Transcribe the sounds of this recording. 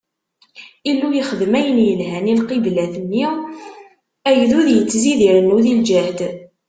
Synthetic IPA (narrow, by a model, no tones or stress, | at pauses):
ilːujiχəðmæjənjəlɦænilqiblæθənːi | æjðuðjət͡sːziðiɾənːuðild͡ʒæhd̪